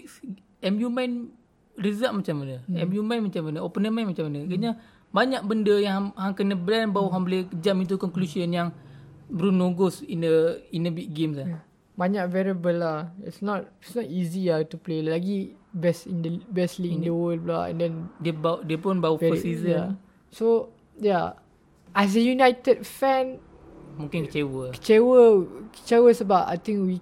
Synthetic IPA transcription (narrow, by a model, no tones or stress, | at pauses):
ɛmjumãn | rizaʔ̚mat͡ʃamanəɛmjumãnmat͡ʃambandəɔpənəmãnmat͡ʃamandəkəɲa | baɲaʔ̚bəndəjaŋhaŋkənəblɛnbawuɦambəlekəd͡ʒaʔmĩt̪̬ukɔŋklusənjaŋbəɾunoɡɔsindəinəbik̚ɡemsa | baɲaʔkvɛɹiəbəlaḭtsnɔt̚itsnɔtiziatuplelaɡibɛsindəbɛsliĩndəwəlbla̰ʔɛ̰̃ndɛ̃ndiəbadiəpʊnbawuɛəsizəa | so | ja | ʔɛs̬əjunajtədfɛ̃n | mũŋkɪnkət͡ʃewəkə̥t͡ʃewəkə̥t͡ʃɛwəsəbapa̰jt̪ĩŋkwi